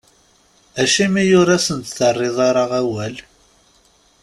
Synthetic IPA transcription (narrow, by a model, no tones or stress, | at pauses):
æʃimijʊɾæsənt̪θərˤːɪðˤɑɾˤɑʁæwæl